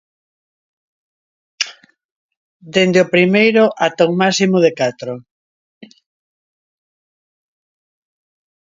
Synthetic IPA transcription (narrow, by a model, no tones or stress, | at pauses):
d̪end̪eopɾimejɾʊʔat̪oŋmasimoðekat̪ɾo